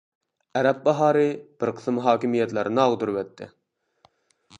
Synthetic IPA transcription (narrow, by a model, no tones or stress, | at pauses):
ɛɾɛp̚bɑɦɑːɾɨb̥ɪɾqʰə̥sɨmɦɑːkʲimijɛt̪læɾnɑʁd̪uɾwɛt̪ʰːɪ̰